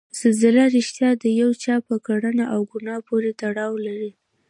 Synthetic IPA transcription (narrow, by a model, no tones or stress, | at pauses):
z̥ɪlzɪlaɾɪʃt̪jɑd̪əjawt͡ʃɑpəkaɽənaʔawɡʊnɑpoɾet̪aɽɑwlaɾi